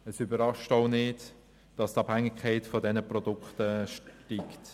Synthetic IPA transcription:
əsybəɾɑʃtoʊnɪːd | d̥ɑstɑb̥hæŋːɪkʰːɛɪtfɔdɛnəprɔdʊkχtəʃtiːkt

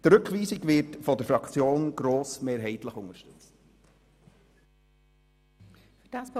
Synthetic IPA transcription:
tɾɵkχʋiːsɪɡʋɪɾtfɔdəɾfɾɑkʰt͡sjoːnɡ̥ɾoːsmeːɾɦɛɪt̪ləχʊŋəɾʃtɵt͡st | fd̥ɑsp

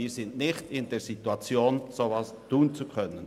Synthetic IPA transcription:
iːzɪndnɪçtɪndeːɾsituat͡sjoːnsovaːstuːnt͡sukʰœnən

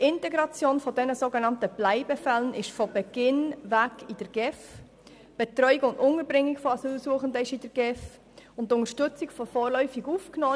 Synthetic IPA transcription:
ɪntɛɡɾɑt͡sjoːnfɔdɛnəsoːɡenɑntəb̥læɪbəfɛlənʔɪʃfɔbɛɡ̥ɪnvækid̥əɾɡ̥ɛf | b̥ɛtɾœʏikʊndʊnəɾbɾɪŋːɪkfɔɑsyːlsuəχəndəɪʃidəɾɡɛf | ʊntʊnəɾʃtʏt͡sikfɔfoːɾlœʏfiɡufknoː

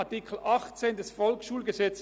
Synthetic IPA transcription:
tikʰl̩ʔɑχt͡seːndɛsfɔlksʃuːlɡəzɛt͡s

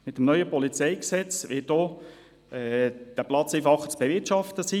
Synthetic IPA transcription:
mɪt̪ːəmnœʏəpɔlit͡sɛɪksɛt͡sʋɪt̚ɔː | ɛd̥æplɑt͡sifɑχət͡sb̥evɪtʃɑftəsi

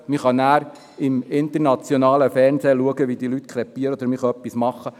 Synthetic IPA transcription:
mɪχɑnæːɾ | ɪmɪnt̪əɾnɑt͡sjonɑːləfɛɾnzeːluəɡəʋid̪ilyt̪kʰɾɛpːiəɾəod̪əɾmɪχɑœpːismɑχːə

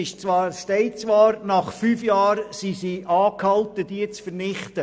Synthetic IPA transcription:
ɪʃt͡svɑːɾstɛɪt͡sʋɑːɾnɑχfyːfjɑːɾsisiʔɑːkhɑltəd̥iət͡sfəɾnɪχtə

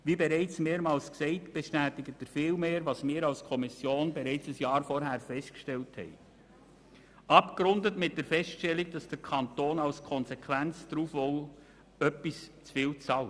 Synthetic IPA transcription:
ʋibeɾɛɪt͡smeːɾmɑːlsksɛɪtb̥ɛʃtæːtɪɡət̚dəɾfɪːlmeːɾʋɑsmɪːɾɑlskʰɔmɪsjoːnbɛɾɛɪt͡səsjɑːɾfɔɾɦæːɾfɛstkʃtɛlthɛ̰ɪ | ɑpkɾʊndətmɪt̚d̥əɾfɛstʃtɛliɡ̚d̥ɑsd̥əɾkʰɑntoːnɑlskʰɔnsɛkʰʋænt͡sd̥ɾuːfɔl | œpːist͡sfɪːlt͡sɑl

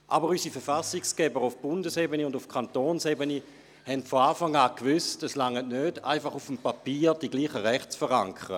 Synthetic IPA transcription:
ʔabəʁysifɛʁfasiksɡ̥ɛbəʁʊfb̥ʊndəsɛbəneʊndʊfkʰantoːnsɛbəni | hɛntfoaːfaŋaːkʋʏstəslaŋːətnøːd̥a̰ɪfaχufəmpapiːʁd̥iɡliːχəʁɛχtt͡sfəʁaŋkʰəʁə̰

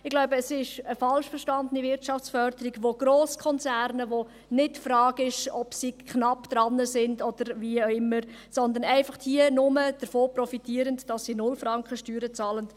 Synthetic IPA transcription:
ɪɡlaʊbəːsɪʃəfɑlʃfɛʃtɑndənivɪɾtt͡ʃɑft͡sfœɾd̥əɾiɡʋoɡ̥ɾoːskʰɔnt͡sæɾnəʋo | nɪtfrɾɑːɡɪʃɔpsiːkʰχnɑpd̪̥ɾɑnːəsɪndɔd̥̪əɾviʊɪmːəɾsɔnd̪ənɛɪfɑχddiənʊməd̥əɾfoːprɔfitiːəɾəndd̥ɑsːiːnʊlfɾɑŋkχəʃtyːɾət͡sɑːlənd

